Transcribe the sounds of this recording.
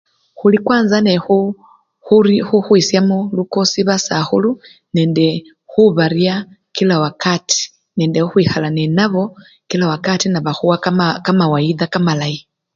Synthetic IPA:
xulikwaːnzanexu | xuɾixuxwisjamolukosiβasaxulu | neːnde | xuβaɾia | kilawakati̥ | neːndehuxwixalanenaβo | kilawakatinaβaxuwakamawaiðakamalai

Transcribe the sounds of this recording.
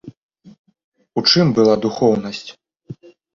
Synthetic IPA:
ut͡ʂɨmbɨlˠad̪uxɔwnɐsʲt͡sʲ

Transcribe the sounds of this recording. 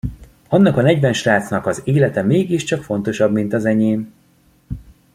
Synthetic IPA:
ɒnːɒkɒnɛɟvɛnʃraːt̪snɒkɒzeːlɛt̪ɛmeːɡiʃt͡ʃɒkfo̞nt̪o̞ʃɒbmint̪ɒzɛɲeːm

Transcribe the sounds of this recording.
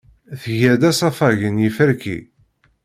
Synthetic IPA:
θʝæd̪æsˤɑfɑʝənjifəɾkḭ

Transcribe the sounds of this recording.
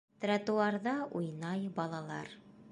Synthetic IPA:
t̪rat̪uɑɾðɑʔujnɑjbɒlˠɑlˠɑ̰ɾ

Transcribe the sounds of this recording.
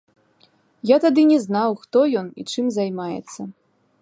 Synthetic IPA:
jat̪ad̪ɨnʲɛznawxt̪ɔjɔnḭt͡ʂɨmzajmajɛ̰t̪sːɐ

